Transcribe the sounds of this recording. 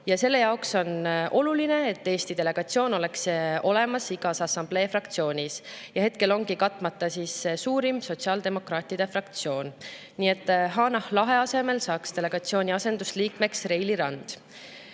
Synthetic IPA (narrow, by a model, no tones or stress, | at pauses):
jɑse̞lːe̞jɑokso̞nʔo̞luline̞ːt̪ːeːst̪id̪̥e̞le̞ɡ̥ɑt̪sio̞ːno̞le̞kso̞le̞mɑsiɡ̥ɑsɑsɑmb̥le̞ːfrɑkt̪sio̞ːnʲisjɑhe̞t̪̚ke̞lo̞ŋɡikɑt̪ːˑmɑt̪ːɑsiːssuːɾimso̞t̪siɑːld̪̥e̞mo̞krɑːt̪ˑid̪̥e̞frɑkt̪sio̞ːn | niːe̞t̪ːˑɦɑːnɑhlɑɦe̞ɑse̞me̞lsɑːkst̪e̞le̞ɡ̥ɑt̪sio̞ːnʲiɑse̞nd̪̥usliːkme̞ksre̞jliɾɑnd̪̥